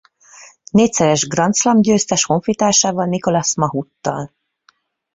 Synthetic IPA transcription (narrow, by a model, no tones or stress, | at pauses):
neːc̚ʲsɛɾɛʒɡrɒnt̪slɒmɟøːst̪ɛʃho̞ɱfit̪aːʃaːvɒlniko̞lɒsmɒɦut̪ːɒ̰l